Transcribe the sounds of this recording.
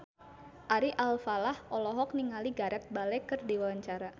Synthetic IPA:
ʔaɾiʔalfalahʔɔlɔɦɔk̚niŋaliɡaɾɛt̪̚balɛkərdiwawaɲt͡ʃaɾa

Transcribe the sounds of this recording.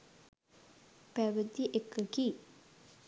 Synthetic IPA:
pæʋəd̪iʔekːəki

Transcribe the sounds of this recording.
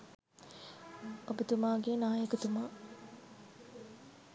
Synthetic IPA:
abət̪umaːɡeːnaːjəkət̪umaː

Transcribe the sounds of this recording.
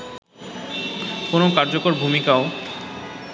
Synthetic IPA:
konokaɾd͡ʑokoɾbʱumikao

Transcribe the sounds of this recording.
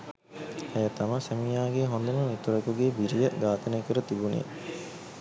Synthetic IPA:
ejɐt̪ɐmɐsemijaːɡeɦond̪ɐnunit̪uɾɐkuɡeːbiɾijəɡaːt̪ɐnekəɾət̪ibunḛː

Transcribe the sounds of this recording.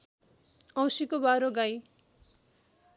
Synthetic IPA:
ʌ̃w̃sikobaɾoɡaj

